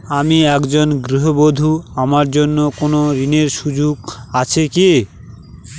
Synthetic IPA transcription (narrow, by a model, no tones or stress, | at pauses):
amiɛkd͡ʑonɡɾiɦobod̪ʱuamaɾd͡ʑonːokonoɾineɾʃud͡ʑuɡat͡ɕʰeke